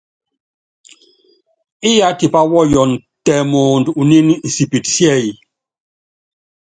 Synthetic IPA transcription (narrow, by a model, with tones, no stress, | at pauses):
i˦ja˨˦ti˨pa˦wɔ˦jɔ˨n | tɛ˨mɔː˨ndu˨ni˦n˨si˨pi˨tsjɛ˦˨ji˨